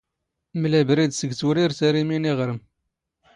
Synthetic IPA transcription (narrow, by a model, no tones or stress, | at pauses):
mlæbɾid̪səɡt͡suɾiɾsæɾiminiʁɾəm